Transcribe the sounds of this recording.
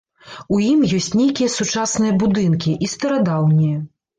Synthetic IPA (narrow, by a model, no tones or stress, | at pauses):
ujimjɔsʲt͡sʲnʲejkʲijɐsut͡ʂasnɨjɐbud̪ɨnkʲiʔist̪ɐɾad̪awnʲijɐ